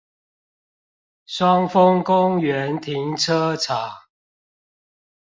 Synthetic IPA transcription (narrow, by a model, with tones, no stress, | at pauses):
swɑ˦ŋfə˦ŋkʊ˦ŋɥɛ˨˦nt̪ʰi˨˦ŋt͡sʰɤ˦t͡sʰa˨˦